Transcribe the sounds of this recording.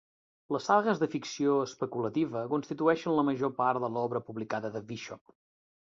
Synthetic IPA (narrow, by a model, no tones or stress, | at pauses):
ləsaɣəzðəfiksioəspəkulət̪iβəkunst̪it̪uɛʃənləməʒopaɾt̪d̪əlɔβɾəpuβlikaðəðəviʃɔp